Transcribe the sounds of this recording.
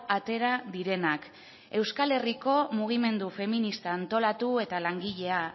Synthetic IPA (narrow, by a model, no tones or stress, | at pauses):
at̪e̞ɾaðiɾe̞nak | e̞wskale̞riko̞muɣ̞ime̞nd̪ufe̞minist̪aːnt̪o̞lat̪ue̞t̪alaŋɡiʎe̞a